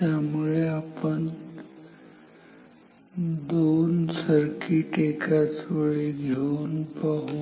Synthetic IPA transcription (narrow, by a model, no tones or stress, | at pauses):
t̪jamuɭeapəɳ | d̪onsəɾkiːʈekʰat͡sʋəɭeɡʱeunpaɦuː